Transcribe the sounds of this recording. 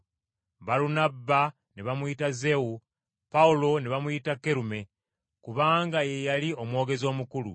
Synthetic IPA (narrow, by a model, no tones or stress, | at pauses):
baɾunabːa | neβamuitaze̞wu | paulo̞neβamujitakːe̞ɾume̞ | kuβaːŋɡaje̞jalio̞mwo̞ːɡe̞zo̞ːmukulṵ